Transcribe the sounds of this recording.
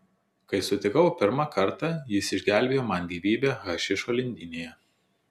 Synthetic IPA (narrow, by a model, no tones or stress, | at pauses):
kɐɪsʊt̪ʲɪkɐʋpʲɪɾmɑkɐɾˑt̪ɑjɪsɪʒʲɡʲæˑlʲbʲeːjoːmɑˑnɡʲiːʋʲiːbʲeːɣɐʃʲɪʃoːlʲɪnʲd̪ʲɪnʲeːjɛ